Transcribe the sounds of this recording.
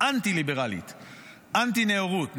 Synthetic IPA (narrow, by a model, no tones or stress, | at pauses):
ant̪ilibeʁalḭt̪ | ʔant̪ineoʁut̪n